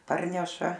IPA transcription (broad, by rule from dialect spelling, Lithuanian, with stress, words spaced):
ˈpɐrʲnʲɛʃɐ